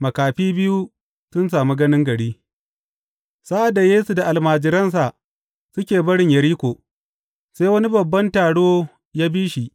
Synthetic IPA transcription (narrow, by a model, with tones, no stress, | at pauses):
mɐ˨kaː˨ɸiː˦bɪ˦ju˦ | sʊ˦ns̬aː˨mi˦ɡɐ˦nɪ˦ŋɡɐ˨ɽiː˦ | sa˦ʔa˨da˨jeː˦su˨da˨ʔa˨lmaː˨d͡ʒɪ˨ɾɐ˦ns̬a˨ʔ | sʊ˦kʲeː˨bɐ˦ɽɪ˨ɲjɐ˨ɾiː˦kʷoː˨ | seː˦jwɐ˦ni˦bɐ˨bːɐ˦ntaː˨ɽoː˦ | jaː˦biː˦ʃi˨ʔ